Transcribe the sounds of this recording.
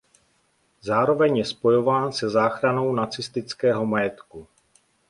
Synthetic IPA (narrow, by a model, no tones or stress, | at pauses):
zaːɾo̞vɛɲjɛspo̞jo̞vaːnsɛzaːxɾano̞wnat͡sɪst̪ɪt͡skɛːɦo̞majɛt̪ku